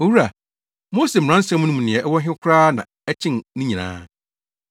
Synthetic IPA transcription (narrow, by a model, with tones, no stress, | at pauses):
o˨wu˦ɾa˨ | mo˦se˨m̩˨ɾã˦n̩˦sɛ̃˦mũ˦nʊ̃˦m̃˨nɪ̃˨ɛ˨ʔɛ˦wɔ˦ɦɪ̃˦kʰʊ˦ɾaː˦nã˨ | ɛ˦t͡ɕʰɪ̃˦nnɪ̃˦ɲĩ˨nã̰ː˦